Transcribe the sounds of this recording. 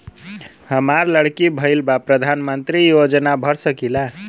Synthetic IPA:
həmaɾləɽkibʱəɪlbapɾəd̪ʱanmənt̪ɾijod͡ʒnabʱəɾsəkila

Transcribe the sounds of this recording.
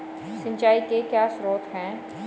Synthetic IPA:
sɪ̃ɲt͡ʃaːikekjaːsɾoːt̪ɦɛ̃ː

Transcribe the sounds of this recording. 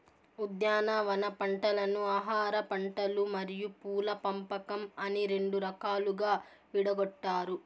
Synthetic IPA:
ud̪jaːnɐʋɐnɐpɐɳʈɐlɐnuaːɦaːɾɐpɐɳʈɐlumɐɾijupuːlɐpɐmpɐkɐmɐniɾe̞ɳɖuɾɐkaːluɡaː | ʋiɽɐɡɔʈːaːɾu

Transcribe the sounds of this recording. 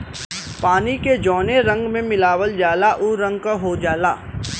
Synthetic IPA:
paːniked͡ʒɔːneɾɐ̃ŋɡmẽmɪlaːʋəld͡ʒaːlaʔʊɾɐ̃ŋɡ̚kaɦod͡ʒaːlaː

